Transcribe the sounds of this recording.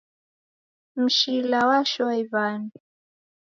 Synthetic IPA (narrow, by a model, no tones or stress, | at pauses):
m̩ʃilawaʃɔiβani